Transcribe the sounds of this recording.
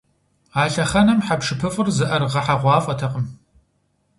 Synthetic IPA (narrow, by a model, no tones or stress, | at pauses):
aːɬɐχɐnɐmħapʂɨpʰɨfʼɨrzɨʔɐrʁɐħaʁʷɑːfʼɐtʰɐqʼəm